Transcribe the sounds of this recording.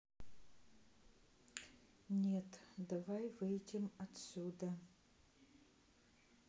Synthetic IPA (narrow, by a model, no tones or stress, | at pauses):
nʲet̪d̪avajvɨjdʲɪmɐt̪sʲud̪ɐ